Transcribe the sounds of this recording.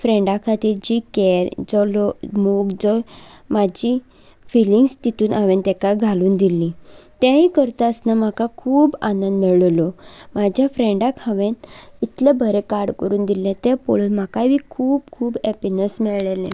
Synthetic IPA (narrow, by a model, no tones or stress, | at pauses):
fɾẽɳɖakʰat̪iːɾd͡ʑiːkɛɾd͡zɔlɔmokd͡zɔ | mad͡ʑi | filiŋɡst̪it̪ʰuːnʔaʋent̪ɛkaɡʱaluːnd̪ilĩt̪jaɦikəɾt̪aəsnam̤akakʰuːbanənd̪mɛɭlɔmad͡ʑʱjafɾeɳɖakʰaʋenit̪lebʱəɾekaɾɽkəɾuːnd̪ilẽt̪ɛpɔɭuːnmakaʋikʰuːbkʰuːbɛpinəsmɛɭɭelḛ̃